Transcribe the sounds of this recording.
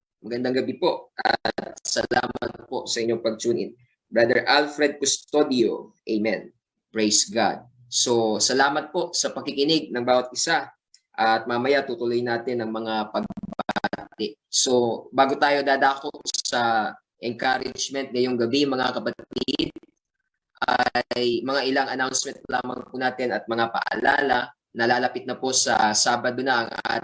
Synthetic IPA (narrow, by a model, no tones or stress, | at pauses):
mɐɡɐnd̪aŋɡɐbipo̞ʔʔɐ̰t̪̚sɐla̰ːmɐt̪̚posɐʔɪɲɲo̞ŋpɐɡ̚t͡ʃuːnɪ̰n | bɹad̪ɛɹʔalfɾɛd̪̚kʊstt̪od̪ɪo̰ʔɛjmɛ̰n | pɹejsɡa̰d̪̚ | sosɐlaːmɐt̪̚po̞ʔsɐpɐkɪkɪnɪɡ̚nɐŋbaːwɐt̪̚ʔɪsa | ʔɐt̪̚mamɐjat̪ut̪ʊlojnaːt̪ɪnɐŋmɐŋapɐɡ̚baat̪ɛʔso̞baːɡot̪aːjo̞d̪aːd̪aːkot̪sɐ | ʔɛŋkaɾɪd͡ʒmɛnt̪̚ŋɐjoŋɡɐbimɐŋakɐpɐt̪id̪̚ | ʔajmɐŋaʔɪlaŋʔɐnawnsmɛnt̪̚ːɐlaːmɐŋpunaːt̪ɪnɐt̪̚mɐŋapɐ̰ʔɐ̰laːlɐ | nɐlaːlɐpɪt̪̚nɐpo̞sɐ̰saːbɐd̪onɐʔɐŋa̰